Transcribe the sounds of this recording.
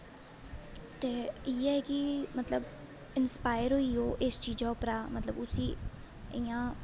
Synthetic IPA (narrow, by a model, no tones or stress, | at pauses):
t̪eːiːɛɛkimət̪ləb | ɪnspaːɪɾɦoːiːoːʔɪst͡ʃiːd͡ʒaːʊpɾaːmət̪ləbʊsiː | ɪːãː